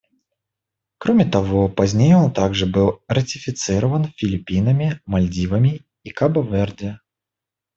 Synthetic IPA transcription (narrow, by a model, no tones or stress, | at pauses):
kɾomʲɪt̪ɐvopɐzʲnʲejɛont̪aɡʐɨbɨlˠrɐtʲɪfʲɪt̪sɨɾəvənfʲɪlʲɪpʲinəmʲɪmɐlʲdʲivəmʲɪ | ikabɐvɛrdʲɪ